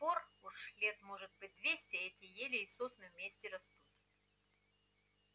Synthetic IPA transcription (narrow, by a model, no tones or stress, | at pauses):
poruʂlʲet̪moʐɨt̪̚bɨt̚ʲd̪vʲesʲtʲɪɛtʲɪjelʲɪːsosnɨvmʲesʲtʲɪɾɐst̪ut̪